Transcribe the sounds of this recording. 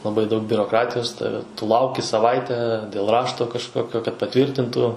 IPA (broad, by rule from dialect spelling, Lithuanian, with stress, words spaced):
lˠɐˈbɐɪ dɐʊk bʲʊroːˈkrɑːtʲɪjoːs ˈtɑːʋʲɛ tʊ ˈlˠɐʊkʲɪ sɐˈʋɐɪtʲɛ dʲeːlˠ ˈrɑːʃtoː kɐʃˈkoːkʲoː kɐt pɐˈtʲʋʲiːrʲtʲɪntuː